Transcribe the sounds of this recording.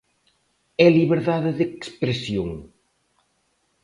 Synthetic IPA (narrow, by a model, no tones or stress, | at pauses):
ɛliβeɾðaðeðekspɾesjoŋ